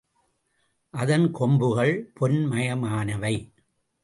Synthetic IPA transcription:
ʔɐðɐnkɔmbɯɣɐɭpʰɔnmɐjɐmaːnɐʋɐɪ

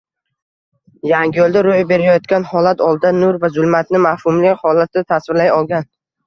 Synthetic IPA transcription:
jaŋɡʲɪjolˠd̪aɾojbe̞ɾajɒt̪kʲanhɒlat̪ʰɒlˠd̪d̪anʊɾvazʊlˠmat̪nɪmahhʊmlɪhɒlat̪̚ɪt̪ʰasvɪɾlajɒlˠɡʲan

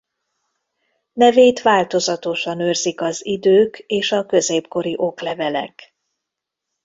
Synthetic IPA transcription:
nɛveːt̪ʋaːlt̪o̞zɒt̪o̞ʃɒnørzikɒzid̪øːkeːʃɒkø̞zeːpko̞ɾiʔo̞klɛvɛlɛ̰k

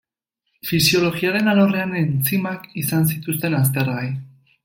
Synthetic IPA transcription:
fisio̞lo̞ɣiaɾe̞naloreane̞nt͡simakisans̬it̪ust̪e̞nas̬t̪e̞rɣaj

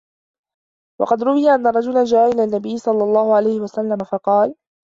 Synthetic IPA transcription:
wɑ̰qɑd̪ɾʊwɪjaʔanːaɾˤɑd͡ʒʊland͡ʒaːʔaʔɪlaːnːabɪjːɪsˤɑlːɑlˤːɑːhʊʕalajhɪwasalːamafɑqɑːl

